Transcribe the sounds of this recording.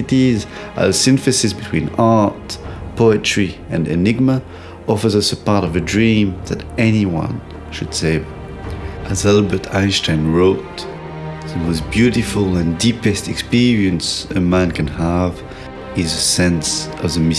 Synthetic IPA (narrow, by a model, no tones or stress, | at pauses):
ɨtiz | ʔə̰sɪ̃nfɨsɪsbɨtʰw̥ĩnɑɹt̚pʰoʊɨtɹ̥iɨ̰̃nɨ̰nɪɡ̚mə | ɔfə˞zʌsəpɑɹɾʌvɨdɹĩmðɨɾɛniwʌ̰̃n | ʃɨd̥seɪv | ʔɨzælˠbə˞tʰã̰ɪ̃nstʰãɪ̃nɹoʊt | ðɨwʌzbjʉɾɪflˠə̃ndipɨstɛkspiɹiɨ̃nsəmæ̃nkʰɨ̃nəv | ɪzɨsɛ̃nsʌvðɨmɪ